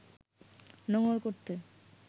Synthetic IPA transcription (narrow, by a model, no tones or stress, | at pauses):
nɔŋoɾkoɾt̪e